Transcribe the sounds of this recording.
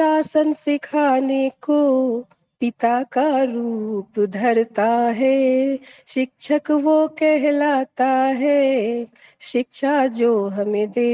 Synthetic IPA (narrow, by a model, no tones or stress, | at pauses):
ʃaːsənsɪkʰaːneko | pɪt̪akaɾuːpd̪ʱɐɾt̪aɦɛ | ʃɪkʃʰəkʋokɛɦlaːt̪aɦɛː | ʃɪkʃad͡ʒoːɦɐmẽd̪eː